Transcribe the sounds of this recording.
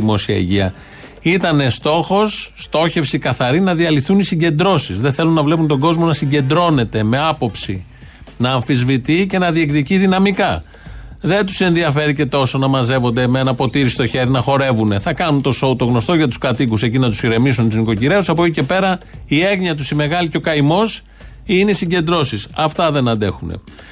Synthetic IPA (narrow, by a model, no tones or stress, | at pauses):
imo̞siɐ̰ḭʝiɐ | it̪ɐne̞st̪o̞xo̞sːt̪o̞çe̞fsikɐθɐɾinɐðiɐliθunisiɲɟe̞nd̪ɾo̞sizðeθe̞lunːɐvle̞punt̪o̞ɡo̞zmo̞nɐsiɲɟe̞nd̪ɾo̞ne̞t̪e̞me̞ɐpo̞psi | nɐːɱfizvit̪ice̞nɐðie̞kðiciðinɐmikɐ | ðe̞nt̪u̥se̞nðiɐfe̞ɾice̞t̪o̞so̞nɐmɐze̞vo̞nd̪emenɐpo̞t̪iɾisi̥t̪o̞çe̞ɾinɐxo̞ɾe̞vune̞θɐkɐnunt̪o̞so̞ut̪oɣno̞st̪o̞ʝɐt̪u̥skɐt̪ikusecinɐt̪u̥siɾe̞mis̬unt̪uznikociɾe̞usɐpocice̞pe̞ɾɐie̞ɣɲiɐt̪usime̞ɣɐliceo̞kɐimo̞s | ine̞isiɲɟe̞nd̪ɾo̞sisɐft̪ɐðe̞nɐnd̪e̞xune̞̰